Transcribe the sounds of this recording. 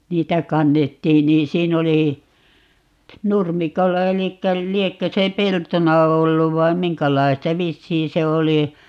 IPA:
niːtæ kɑnːetːiːn niːn siːn oli nurmikolːɑ elikːæ liekːø se peltonɑ olːuʋ ʋɑim miŋkælɑistɑ ʋisːiːn se oli

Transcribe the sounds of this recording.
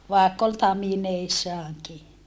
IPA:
ʋɑˑekː ol tɑmineisːɑːŋki

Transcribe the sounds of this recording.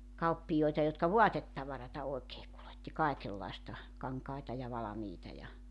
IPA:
kɑupːijoetɑ jotkɑ ʋoɑtetːɑʋɑrɑtɑ oekeː kuletːi kɑekelːɑestɑ kɑŋkɑitɑ jɑ ʋɑlɑmiːtɑ jɑ

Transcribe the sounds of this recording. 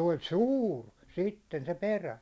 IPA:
olʲ suːr sitːen se peræ

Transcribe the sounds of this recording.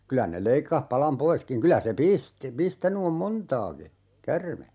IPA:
kylæ ne leikːɑh pɑlɑm poiskiŋ kylæ se pisti pistæny om montɑːki kærme

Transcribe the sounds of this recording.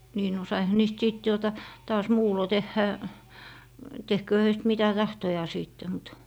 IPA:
niː no sɑihɑ niːst siˑt tuotɑ tɑːs muːlo tehːæ tehkøː høist mitæ tɑhtojɑː siˑtːe mut

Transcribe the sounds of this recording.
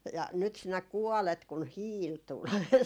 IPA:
jɑ nyt sinæ kuɔlet kun hiːl tul

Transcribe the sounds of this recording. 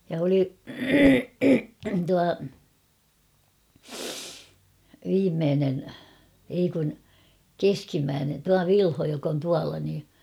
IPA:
jɑ oli tuɑ ʋiːmːeːnen ei kun keskimːæːnen tuɑ ʋilho jok on tuɑlɑ niː

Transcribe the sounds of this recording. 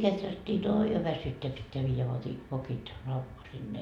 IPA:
ketrætːiː oːi jo ʋæsytːeæ pitːeæ ʋiːjæ ʋokit lɑu sinːe

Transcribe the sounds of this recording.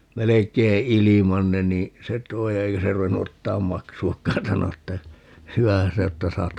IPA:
melekˑei ilimɑn ne niː se tˑoi eikæ se ruenːu otːɑːm mɑksuɑkːɑːn sɑno etːæ hyæhæn se o etːæ sɑːt

